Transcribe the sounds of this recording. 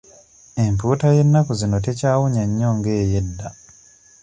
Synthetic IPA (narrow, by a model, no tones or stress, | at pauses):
e̞mpuːtaje̞nːakuzino̞te̞caːwuɲaɲːoŋɡe̞ːjedːa